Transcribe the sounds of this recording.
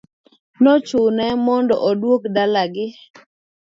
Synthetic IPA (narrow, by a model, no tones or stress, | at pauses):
nɔt͡ʃʊnɛmɔndɔ̰ʔɔdwokdalaɡɪ